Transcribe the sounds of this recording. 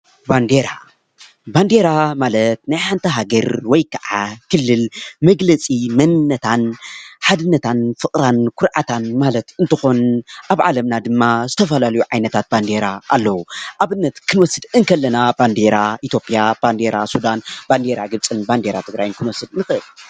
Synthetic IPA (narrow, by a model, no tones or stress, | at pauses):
band̪eɾa | band̪e̞ɾamalɐt̪̚najħant̪ʰɐɦaɡɐɾwɔjkʰaʕakʰɨlːɨlmɐɡlɐt͡sʼimɐnɨnːɐt̪ʰanħad̪ɨnːɐt̪ʰanfɨkʼɾankʰʊɾʕat̪ʰanmalɐt̪ɨnt̪ʰɨxo̞nʔaβʕa̰lɐmnad̪ɨmːazɨt̪ʰɐfɐlalɐjuʕajnɐt̪ʰat̪̚band̪e̞ɾaːlːɐwuʔaβɨnːɐt̪kʰɨnwɔsːɨd̪ɨŋkʰɐlːɐnaband̪eɾaʔit̪ʰjo̞pʼijab̥and̪eɾasud̪anband̪eɾaɡɨβt͡sʼɨnband̪eɾat̪ʰɨɡɾajɨnkʰɨnwɔsːɨd̪nɨxɨʔɨl